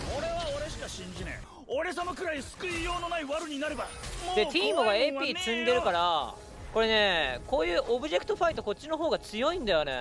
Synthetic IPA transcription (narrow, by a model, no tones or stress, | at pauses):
o̞ɾe̞βaoɾe̞ɕi̥kaɕĩɲd͡ʑinḛ̃ | oɾe̞sanokɯ̟ɾaiɲsɨ̥kɯ̟ijo̞ːno̞naiβaɾɯ̟ɲ̟inaɾɯ̟bad̪e̞t̪ʰʲiːmɯɡaeːpʲiːt͡sɨ̃nd̪e̞ɾɯ̟kaɾa | ko̞ɾe̞ne̞ko̞ːjɯ̟ːʔo̞bɯ̟ʑe̞kɯ̟t̪o̞ɸait̪o̞ko̞t͡ɕːino̞ɦo̞ːɡat͡sɨjo̞ĩnd̪ajo̞ne̞̰